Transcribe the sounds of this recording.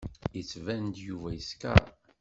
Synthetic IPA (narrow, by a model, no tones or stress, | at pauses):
ət͡sːvænt̪juvæjəskæ̰